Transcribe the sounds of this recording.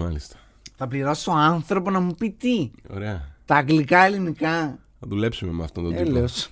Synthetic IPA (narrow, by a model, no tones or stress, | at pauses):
mɐlist̪ɐ̥ | θɐpliɾɐsi̥o̞ɐnθɾo̞ponɐmupit̪io̞̰ɾeɐt̪ɐːɡlikɐelinikɐ | ɐðule̞psumemɐft̪ont̪oeleos